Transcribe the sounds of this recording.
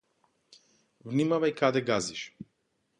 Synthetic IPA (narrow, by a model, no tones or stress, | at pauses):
vnimavajkad̪ɛɡaziʃ